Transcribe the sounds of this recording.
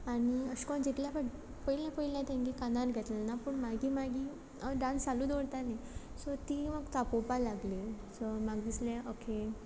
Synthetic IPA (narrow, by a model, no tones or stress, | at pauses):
aɽ̃iəɕkɔnd͡ʑit̪ljapəʈ | pəilãpəilat̪ãŋɡikanaɾɡʱɛt̪lanapuɳmaɡiːmaɡi | əɖãnsaluːd̪oɽt̪ane | sɔt̪iːməɡt̪apopalaɡle | sɔmaɡd̪islẽokʰe